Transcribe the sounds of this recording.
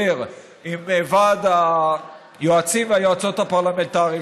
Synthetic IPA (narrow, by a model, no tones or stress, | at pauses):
eʁ | imːeːvad̪a | joat͡simeajoat͡so̞t̪hapaʁlament̪aʁi